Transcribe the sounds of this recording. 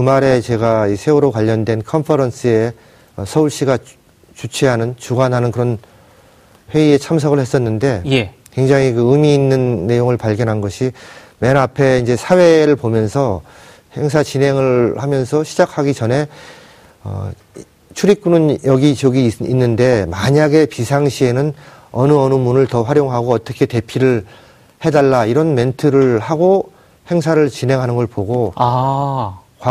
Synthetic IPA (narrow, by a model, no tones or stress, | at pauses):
kɯmaɾe̞t͡ɕe̞ɡaisʰe̞uɾokwaʎːʌndwe̞nkʰʌnpʰʌɾʌns͈ʰɯe̞ | ʌsʰʌuɭɕ͈iɡa | t͡ɕut͡ɕʰeɦanɯnt͡ɕuɡanɦanɯnkɯɾʌn | ɸwe̞ie̞t͡ɕʰams̬ʰʌɡɯɭhe̞s͈ʌnːɯnde̞j | kwe̞ŋd͡ʑaŋɦikɯɯmiːnːɯnːe̞joŋɯɭpaɭɡjʌnɦanɡʌɕʰi | me̞napʰe̞ind͡ʑe̞sʰawe̞ɾɯɭpomjʌnsʰʌ | he̞ŋs̬ʰat͡ɕinɦe̞ŋɯɭhamjʌnsʰʌɕʰid͡ʑakʰaɡit͡ɕʌne̞ | ʌ̰ | t͡ɕʰuɾik͈unɯnjʌɡit͡ɕʌɡiinːɯnde̞maɲaɡe̞pisʰaŋɕʰie̞nɯnʌnɯʌnɯmunɯɭtʌɸwaɾjoŋɦaɡoʌt͈ʌkʰe̞te̞pʰiɾɯɭ | he̞daɭːaiɾʌnme̞ntʰɯɾɯɭhaɡo | he̞ŋs̬ʰaɾɯɭt͡ɕinɦe̞ŋɦanɯnɡʌɭpoɡo | kw